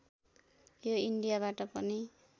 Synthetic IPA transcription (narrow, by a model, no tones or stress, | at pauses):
joiɳɖijaβaʈʌpʌni